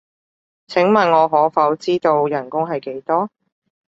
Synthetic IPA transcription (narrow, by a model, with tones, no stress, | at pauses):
t͡sʰɪ˨˥ŋmɐ˨˩nŋɔː˨˧ɦɔː˨˥fɐ˨˥wt͡siː˥t̪o˧wjɐ˨˩nkʊ˥ŋɦɐ˨jke˨˥jt̪ɔː˥